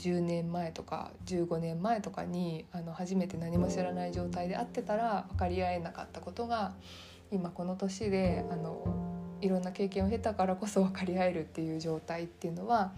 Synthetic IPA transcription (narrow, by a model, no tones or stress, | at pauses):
d͡ʑɨːnẽ̞mːae̞t̪o̞ka̰d͡ʑɨːɡo̞nẽ̞mːae̞t̪o̞ka̰ɲ̟iano̞haʑime̞t̪e̞naɲ̟imo̞ɕiɾanaid͡ʑo̞ːt̪aid̪e̞at̪ːe̞t̪aɾaβakaɾʲiae̞naka̰t̪ːako̞t̪o̞ɡa | imako̞no̞t̪o̞ɕid̪e̞ano̞iɾõ̞nːake̞ːkẽoɦe̞t̪akaɾako̞so̞βakaɾʲiae̞ɾɯ̟t̪ːe̞jɯ̟ːd͡ʑo̞ːt̪ait̪ːe̞jɯ̟no̞βa